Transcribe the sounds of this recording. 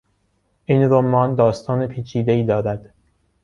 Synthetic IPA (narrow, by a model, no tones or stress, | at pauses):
ʔiːnɾomɒːnd̪ɒːst̪ʰɒːnepʰiːt͡ʃʰiːd̪e̞iːd̪ɒːɾæd̪̥